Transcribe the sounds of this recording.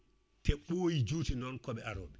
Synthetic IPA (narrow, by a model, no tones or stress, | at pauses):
tɛɓojid͡ʒuːtinɔnkɔɓɛʔaɾɔ̰ɓɛ